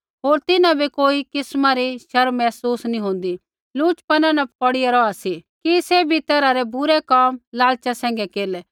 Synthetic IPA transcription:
ɦoːɾt̪ɪnãbʱikoːikɪsmaɾiʃɐɾmɛːsuːsnĩɦõːnd̪i | luːt͡ʃpɐnãnɐpkɔɽɪaɾɔasikisebʱit̪ɛːɾaɾɛbʱʊɾekaːmlaːlt͡ʃasɛ̃ːŋ̆ɡɛkeːlɛ

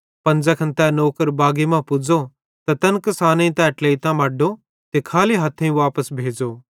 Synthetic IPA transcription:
pɐ̃nd͡zɛkʰɐnt̪ɛnoːkəɾbaːɡimãpʊd͡zo | t̪at̪ɐnkɐsaːnẽĩt̪ɛʈleːit̪ãmɐːɖo | t̪ekʰaːliɦɐt̪ʰẽũʋaːpəsbʱeːd͡zoː

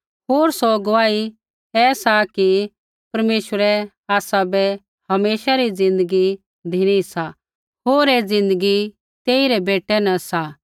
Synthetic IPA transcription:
ɦoːɾsɔɡʊʋaːi | ɛsaki | pɐɾmeːʃʋəɾɛ | aːsabɛ | hɐmeːʃaɾid͡zɪ̃nd̪əɡi | d̪ʱiɽ̃isa | ɦoːɾed͡zɪ̃nd̪əɡi | t̪eːiɾɛbeːʈːɛnɐ̃sa

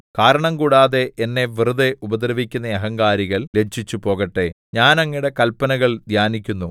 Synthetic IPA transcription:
kaːɾɐɳɐmkuːɽaːðeenːe̞ʋiruðe̞ʔubɐd̪rɐʋikʲːunːɐɐɦɐŋɡaːɾiɣɐɭle̞t͡ɕʰːit͡ɕːupo̞ːɣɐʈːe̞ | ɲaːnɐŋːiɽe̞kɐlpɐnɐɣɐɭd̪ʱjaːnikʲːunːu

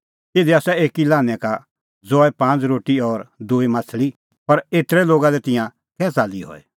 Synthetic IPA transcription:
t̪eːd̪iaːsɛeːkilãːnɛ̃ka | d͡zɔːɛpãːnt͡sɾoːʈiɔːɾd̪uːimaːt͡sʰli | pɐɾeːt̪ɾɛloːɡalɛt̪ɪjã | kɛːt͡saːliɦɔ̰ːɛ

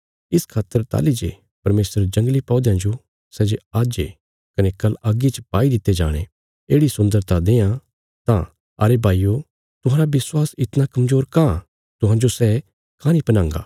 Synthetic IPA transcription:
ɪskʰaːt̪ːəɾt̪a̰ːlid͡ʒḛ | pɐɾmeːsəɾd͡ʒɐ̃ŋɡlipɔ̃ːd̪jãd͡ʒo | sɛd͡ʒeaːd͡ʒe | kɐnekɐlɐɡit͡ʃəpaːid̪ɪt̪ːed͡ʒa̰ːɽ̃ḛ | eːɽisʊ̃nd̪əɾt̪ad̪eːã | t̪ã̰ | ɐɾebʱaːijo | t̪ʊɦãːɾabɪswaːsɪt̪nakɐmzoːɾkã | t̪ʊɦãːd͡ʒosɛ | kãːnĩpɐnãːŋɡa̰ː

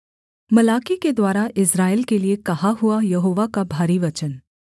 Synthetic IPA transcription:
mɐlaːkiked̪waːɾaʔɪsɾaːelkeliekɐɦaɦʊajɐɦoːʋakabʱaːɾiʋɐt͡ʃən

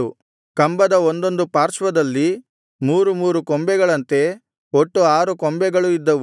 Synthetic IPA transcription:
u | kɐmbɐd̪ɐond̪o̞nd̪upaːɾt͡ʃʋɐd̪ɐlːi | muːɾumuːɾukombɛɡɐɭɐnt̪e̞ | oʈːuaːɾukɔmbɛɡɐɭuid̪ːɐʋu

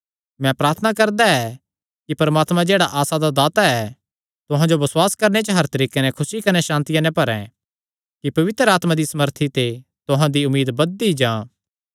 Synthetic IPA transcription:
mɛ̃pɾaːɾt̪ʰənakɐɾd̪aɛ | kipɐɾmaːt̪mãd͡ʒeːɽaʔaːsad̪ad̪aːt̪aɛ | t̪ʊɦãd͡ʒobɐswaːskɐɾnet͡ʃəɦɐɾt̪ɐɾiːkenɛkʰʊsikɐnɛʃãːnt̪ɪjãnɛ̃pɐɾɛ̰̃ | kipɐʋɪt̪ɾəaːt̪mãd̪isɐməɾt̪ʰit̪e | t̪ʊɦãd̪iʊmiːd̪bɐd̪̚ːid͡ʒãː

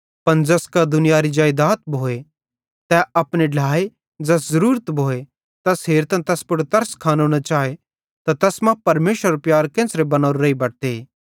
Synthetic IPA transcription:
pɐnd͡ʒɐskad̪ʊnɪjaːɾid͡ʒaːjd̪aːt̪̚bʱoːe | t̪ɛɐpneɖʱaːe | d͡ʒɐs̬zɐɾuːɾət̪bʱoːe | t̪ɐsɦeːɾt̪ãt̪ɛspʊɽt̪ɐɾskʰaːnonat͡ʃaːe | t̪at̪ɛsmɐ̃pɐɾmeːʃəɾɾpjaːɾkɛ̃ːnsɾebɐnaːɾɾɐibɐɽt̪e

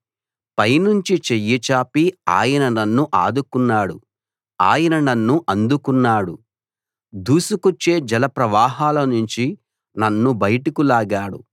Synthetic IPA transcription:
pɐjnuɲt͡ʃit͡ʃejːit͡ʃaːpia̰ːjɐnɐnɐnːuʔaːd̪ukunːaːɽṵ | a̰ːjɐnɐnɐnːuʔɐnd̪ukunːaːɽu | d̪uːsukot͡ʃːe̞ːd͡ʒɐlɐpɾɐʋaːɦaːlɐnuɲt͡ʃi | nɐnːubɐjʈukulaːɡaːɽṵ

